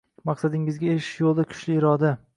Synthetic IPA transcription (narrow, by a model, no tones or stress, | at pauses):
mɑqsad̪ɪŋɪzɡʲaeɾɪʃɪ̥ʃjolˠd̪akʰʊ̥ʃlɪɪɾɒd̪a